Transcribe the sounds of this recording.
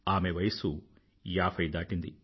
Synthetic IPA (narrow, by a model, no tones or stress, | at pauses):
aːme̞ʋɐjɐsu | jaːpʰɐjd̪aːʈind̪i